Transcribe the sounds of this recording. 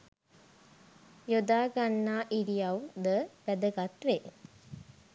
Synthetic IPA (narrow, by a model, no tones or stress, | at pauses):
jod̪aːɡanːaːʔiɾijɐwd̪əb̥æd̪əɡat̪ʋe